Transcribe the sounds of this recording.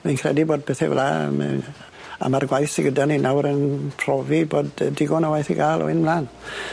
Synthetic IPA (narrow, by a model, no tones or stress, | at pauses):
minkʰrɛ̰diboːd̚pʰɛθɛ̰vla̰mɛ̰ | a̰marɡwajθiɡədaninʔawɾənpʰr̥ɔviboːddɪɡɔnəwajθiɡaːlˠɔ̰ɪnmlaːn